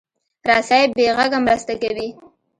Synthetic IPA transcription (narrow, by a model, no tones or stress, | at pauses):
ɾɑsɑjɪbeɣaɡamɾast̪akawi